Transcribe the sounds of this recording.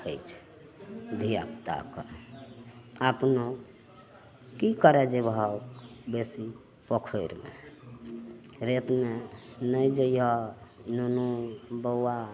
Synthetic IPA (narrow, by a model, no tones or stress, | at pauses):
ə̰jt͡ʃʰ | d̪ʱia̰pt̪a̰kə | apno | kikəɾɛd͡ʒebʱaokbesi | pɔkʰəjɾmḛ | ɾet̪menəjd͡ʒəjɔnunubəa